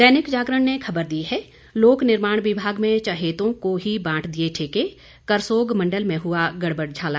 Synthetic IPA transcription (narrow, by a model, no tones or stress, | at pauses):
d̪ɛːnɪkd͡ʒaːɡɾəɳnekʰɐbəɾd̪iɦɛ | loːknɪɾmaːɽ̃wɪbʱaːɡmẽt͡ʃaɦeːt̪õkoɦibãːʈʰd̪ieʈʰeːke | kɐɾsoːɡmɐ̃ɳɖəlmẽɦʊaɡɐɽbəɽd͡ʒʱaːlaː